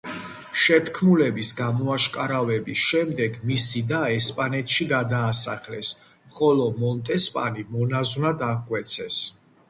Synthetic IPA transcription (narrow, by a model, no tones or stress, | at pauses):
ʃɛt̪ʰkʰmulɛbisɡamɔaʃkʼaɾavɛbisʃɛmd̪ɛɡmisid̪aɛspʼanɛt̪ʰʼʃiɡad̪aːsa̰χlɛs | χɔlɔmɔnt̪ʼɛspʼa̰nimɔnaznad̪akʼwɛt̪sʰɛs